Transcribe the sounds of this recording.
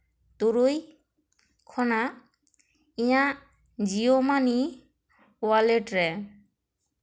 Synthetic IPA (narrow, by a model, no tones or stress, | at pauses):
t̪uɾoj | kʰɔna | ija | d͡ʒiomani | waleʈɾɛ